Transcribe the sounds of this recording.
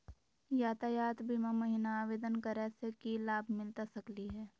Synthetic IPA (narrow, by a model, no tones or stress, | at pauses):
jaːt̪aːjaːt̪biːmamɐɦɪnaaːʋeːd̪ənkɐɾɛːsekilaːbʱmɪlt̪asɐkliɦɛː